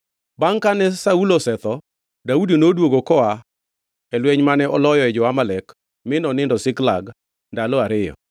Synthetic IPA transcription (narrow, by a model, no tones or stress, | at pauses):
baŋkanɛsaulosɛt̪ɔ | daudinodwoɡokɔa | ɛlwɛɲmanɛɔlɔjɔɛd͡ʒɔamalɛk | mɪnɔnɪndɔsɪkla̰ɡ | ndalɔaɾɪjɔ̰